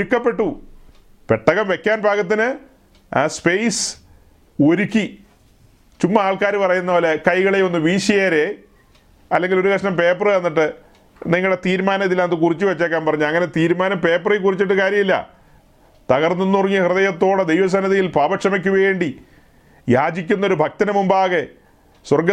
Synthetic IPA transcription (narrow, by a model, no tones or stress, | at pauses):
oɾukːɐpːe̞ʈːu | peʈːɐɣɐmʋe̞kʲːaːnbʱaːɣɐt̪̬ːinɨ | spejs | oɾukʲːi | t͡ɕumːɐaːɭkaːɾɨpɐrɐjunːɐpoːlekɐjɣɐɭeo̞nːɨʋiːɕɐjaːɾe̞ | ɐlːe̞ŋɡilo̞ɾukɐʂɳɐmpe̞ːprɨenːiʈːɨ | niŋːɐɭɽet̪iːɾmaːnɐt̪ilːɐnɐðɨkurit͡ɕːuʋɐt͡ɕːaːkːaːnpɐrɐɲːuɐŋːɐne̞t̪iːɾmaːnɐmpe̞ːprekurit͡ɕːiʈːɨkaːɾjɐmilːɐ̰ | t̪ɐɣɐrnːonːurɐŋːihrɨðɐjɐt̪ːo̞ːɽed̪ejʋɐs̬ɐnɐðijilpaːbɐʂɐmɐk̬ʲːuʋe̞ːɳɖi | jaːd͡ʑikʲːunːɐo̞ɾubʱɐk̚t̪ɐnɐmumbaːɣe | swɐrɡɐ